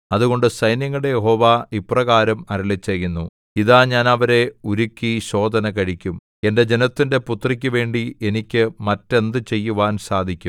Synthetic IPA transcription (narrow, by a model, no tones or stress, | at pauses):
ɐðuɣo̞ɳɖɨsɐjnjɐŋːɐɽe̞jeɦo̞ːʋaːiprɐɣaːɾɐmɐɾilit͡ɕːɐjunːu | iðaːɲaːnɐʋɐɾe̞uɾukʲːiɕo̞ːd̪ʱɐnɐkɐɻikʲːum | e̞nde̞d͡ʑe̞nɐt̪ːinde̞put̪rik̬ʲːɨʋe̞ːɳɖie̞nikʲːɨmɐtːe̞nd̪ɨt͡ɕe̞jːuʋaːnsaːd̪ʱikʲːum